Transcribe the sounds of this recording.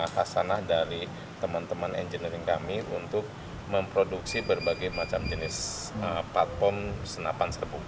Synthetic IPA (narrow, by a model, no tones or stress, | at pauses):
hasanahdaɾi | t̪əmant̪əmanɛ̰nd͡ʒəniɾɪŋkamiʔunt̪ʊk̚ | məmpɾoduksibərbaɡajmat͡ʃamd͡ʒənɪs | əplat̪̚fɔrmsənapansərbuŋ